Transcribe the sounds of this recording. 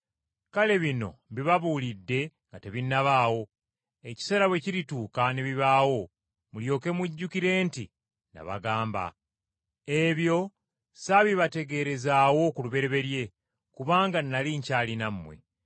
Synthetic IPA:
kale̞βino̞̰βiβaβulidːe̞ŋɡate̞βinːaβaːwo̞ | eci̥se̞ːɾaβwe̞ciɾituːkaneβiβaːwo̞ | muljo̞ːke̞muɟːukiɾe̞ːnti | na̰βa̰ɡaːmba̰ | e̞βjo̞ | saβiβate̞ɡe̞ɾe̞zaːwo̞kuluβe̞ɾe̞βe̞ɾje̞ | kuβaːŋɡanːaliːɲcaːlinamːwḛ

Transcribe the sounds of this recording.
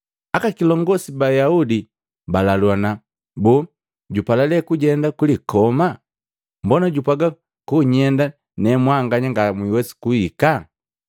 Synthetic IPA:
akakilɔŋɡɔsibajaudi | balalwana | bɔ | ɟupalalɛkuɟɛndakulikʰɔma | mbɔnaɟupaɡa | kuɲɛnda | nɛmwaŋɡaɲaŋɡamwiwɛsi̥kuika

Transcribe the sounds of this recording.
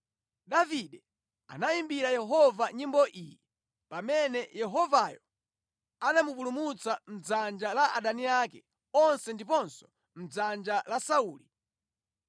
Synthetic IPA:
ɗaviɗɛ | a̰naimbiɾajɛɦɔvaɲimbɔʔiːji | pamɛnɛjɛɦɔvajɔ | anamupulumut͡sam̩d͡zand͡ʒalaʔaɗaniakɛ | ɔnsɛndip̬ɔnsɔ̥ | m̩d͡zand͡ʒalasauːli

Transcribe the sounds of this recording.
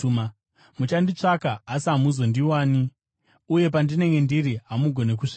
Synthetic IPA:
mut͡ʃandit͡ʂakaːsiɦamuzo̞ndiwaːni | uje̞pandine̞ŋɡe̞ndiɾiɦamuɡʱo̞ne̞k̬uʂi

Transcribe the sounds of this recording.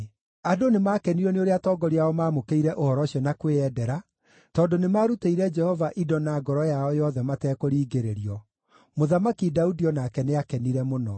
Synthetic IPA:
adonemaːkɛniɾɔneoɾeatɔɡɔɾiaɔmaːmokeiɾɛʔohɔɾɔɕiɔnakweɛdɛɾa | tɔndonemaɾuteiɾɛd͡ʒɛhɔvaʔidɔnaːɡɔɾɔjaɔjɔðɛmatɛːkoɾiːɡeɾeɾiɔ | moðamakidaudiɔnakɛneakɛniɾɛmonɔ

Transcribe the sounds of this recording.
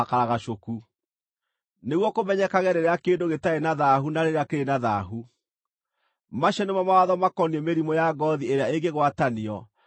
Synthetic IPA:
akaɾaɣaʃoku | neɣwɔkomɛɲɛkaɣɛɾeɾeakeːndoɣetaenaðaɦunaɾeɾeakeɾenaðaɦu | maɕɛnemamawaðɔmakɔniɛmeɾimɔjaɡɔðieɾeaeŋɡeɣwataniɔ

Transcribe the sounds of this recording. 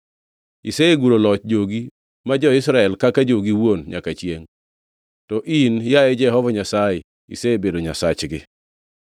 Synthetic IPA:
iseeɡuɾolɔt͡ʃd͡ʒoɡi | mad͡ʒɔɪsɾaɛlkakad͡ʒoɡiwonɲa̰kat͡ʃjeŋ | tɔʔinjaɛd͡ʒɛɦɔvɔɲasajɛ | ḭseebedoɲasat͡ʃɡɪ̰

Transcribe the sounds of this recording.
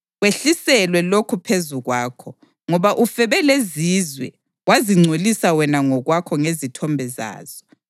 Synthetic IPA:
ɣweɬisɛlwɛlokʰupʰezuɣwaːkʰɔ | ŋɔβaʔufɛβɛleziːzwɛ̰ | waziŋ͡ǀʱolisawɛnaŋɔɣwakʰɔŋezitʰɔmbʱɛza̰ːz̥ɔ

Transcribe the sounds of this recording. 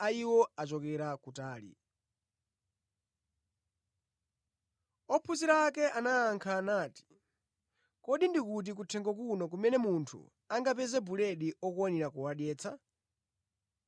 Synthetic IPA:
aiwɔat͡ʃɔkɛɾakutaːlḭ | ɔpʰuziɾaːkɛʔanaːŋkʰaːnaːti̥ | kɔɗindikut̬ikutʰɛŋɡɔkunɔk̬umɛnɛmuntʰṵ | aŋɡapɛzɛbulɛɗiɔkuaniɾakuwaɗjɛːt͡sʰa

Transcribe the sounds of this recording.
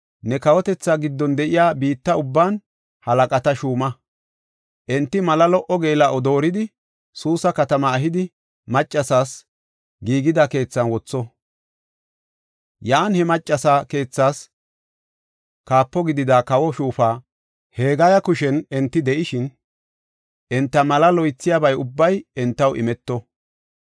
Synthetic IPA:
nɛkɐwɔt̪ɛt͡sːaːɡɪd̪ːɔnd̪ɛʔɪjaːbiːt̪ːɐʊbːaːn | hɐlɐkʼɐt̪ɐʃuːmɐ | ʔɛnt̪ːɪmɐlɐlɔʔɔɡe̞ːlaʔɔd̪o̞ːɾɪd̪ɪ | suːsɐkɐt̪ɐmɐːɦɪd̪ɪ | mɐt͡ʃʼːɐsaːs | ɡiːɡɪd̪ɐke̞ːt͡sːɐnwɔt͡sːɔ | jaːnhɛmɐt͡ʃʼːɐsaːke̞ːt͡sːaːs | kaːpːɔɡɪd̪ɪd̪akɐwɔʃuːfaː | he̞ːɡɐjɐkʊʃɛnɛnt̪ːɪd̪ɛʔɪʃɪn | ʔɛnt̪ːɐmɐlɐlɔjt͡sːɪjabɐjʊbːɐjɛnt̪ːɐwʔɪ̰mɛt̪ːɔ

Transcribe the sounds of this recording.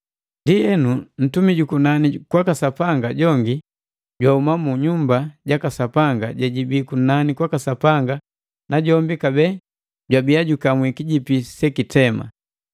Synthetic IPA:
ndiɛnun̩tumiɟukunanikwakasapaŋɡaɟɔŋɡi | ɟwaumamuɲumbaɟakasapaŋɡaɟɛɟibikunanikwakasapaŋɡa | naɟɔmbikabɛ | ɟwabiaɟukamwikiɟipisɛkitɛma̰

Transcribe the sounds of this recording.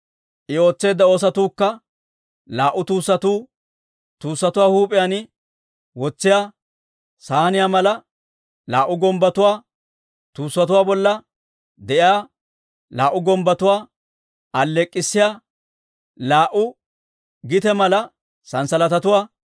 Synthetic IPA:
ʔɪo̞ːt͡sːe̞ːd̪ːɐo̞ːs̬ɐt̪uːkːɐ | laːʔːʊt̪uːsːɐt̪uː | t̪uːsːɐt̪ʊwaːhuːpʼɪjanɪ | wɔt͡sːɪjaː | saːnɪjaːmɐlɐ | laːʔʊɡɔmbɐt̪ʊwaː | t̪uːsːɐt̪ʊwaːbɔlːɐ | d̪ɛʔɪjaː | laːʔːʊɡɔmbɐt̪ʊwaː | ɐlːɛkʼːɪsːɪjaː | laːʔʊ | ɡɪt̪ɛmɐlɐ | sɐnsɐlɐt̪ɐt̪ʊwaː

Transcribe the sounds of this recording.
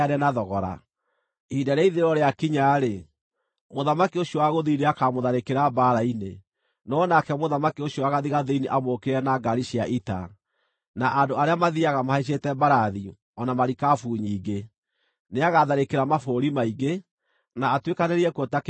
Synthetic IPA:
aɾɛnaðɔɣɔɾa̰ | idaɾeiðeɾɔɾeakiɲaɾe | moðamakioɕiɔwaɣoðineakamoðaɾekeɾabaːɾaine | nɔnakɛmoðamakioɕɔaɣaðiɣaðeiniʔamoːkeɾɛnaɡaɾiʃiaʔita̰ | naʔadoaɾeamaðiaɣamahaeɕ̬etɛbaɾaði | ɔnamaɾikafuːɲiːɡe | neaɣaðaɾekeɾamafoɾimaiɡe | naːtwekaneɾiɛkotak

